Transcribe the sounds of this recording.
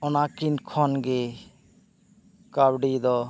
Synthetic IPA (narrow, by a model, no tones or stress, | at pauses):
ɔnakinkʰɔnɡe | kabɖid̪ɔ